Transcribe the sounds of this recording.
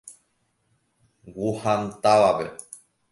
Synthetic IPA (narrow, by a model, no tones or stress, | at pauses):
wuhant̪aʋape